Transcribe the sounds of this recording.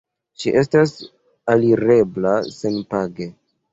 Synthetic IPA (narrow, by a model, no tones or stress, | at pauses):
ʃiʔe̞s̬tas | aliɾe̞blase̞npaɡe̞